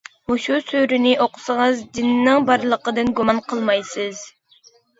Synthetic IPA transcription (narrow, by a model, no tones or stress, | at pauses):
oʃusøɾynɪʔoqʰʊ̥səʁəzd̪ɪnɪnɪŋbɑɾlˠəqəd̪ɨnɡumɑnqʰəlˠmɑjsɨz̥